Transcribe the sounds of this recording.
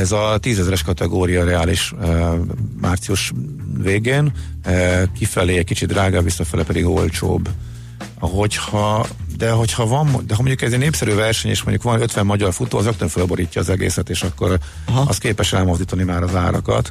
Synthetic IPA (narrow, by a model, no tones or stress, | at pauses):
ɛzɒt̪iːzɛzɾɛʃkɒt̪ɛɡoːɾijɒɾɛaːliʃ | maːrt̪siuʃveːɡeːn | kifɛleːɛckit͡ʃid̪raːɡaːvisːɒfɛlɛpɛd̪iɡo̞̰lt͡ʃo̰ːb | ɦo̞chɒd̪ɛɦo̞chɒvɒmd̪ɛɦɒmo̞ɲɟukɛzneːpsɛɾyːvɛrʃɛɲḛːʃmoɲɟukʋɒnøt̪ʋɛmːɒɟɒrfut̪oːɒzøkt̪øɱfølbo̞ɾiːcːɒːzɛɡḛːsɛt̪eːʃɒkːo̞ɾ | ɒ̰st̪̚keːpɛʃɛlmo̞zd̪iːt̪ɒnimaːɾɒzaːɾɒ̰kɒ̰t̪